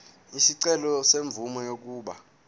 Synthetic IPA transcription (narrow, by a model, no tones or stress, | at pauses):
isiǀɛlɔseɱb̪vumɔjok̬uːɓa